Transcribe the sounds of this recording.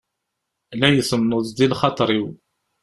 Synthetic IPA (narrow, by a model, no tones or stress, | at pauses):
læjəsəmnʊðˤd̪ilχɑt̪ˤɾiw